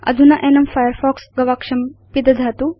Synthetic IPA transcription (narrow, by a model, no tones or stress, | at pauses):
ɐ̰d̪ʱunɐʔenɐmfajəɾfɔːksɡɐʋaːkʂɐmpid̪ɐd̪ʱaːt̪u